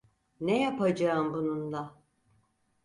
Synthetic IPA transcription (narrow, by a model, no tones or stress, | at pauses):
nejapad͡ʒaːɯmbunund̪a